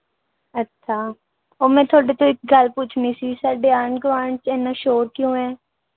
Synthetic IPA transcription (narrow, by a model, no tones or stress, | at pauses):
ətːʃʰaː | oːmɛ̃ːt̪ʰoːɖeːt̪õːɪk̚ɡəlpuːt͡ʃʰnĩːsiːsaːɖeːaːɳɡʊʋaːɳt͡ʃɛːnaːʃoːɾkjõːɦɛː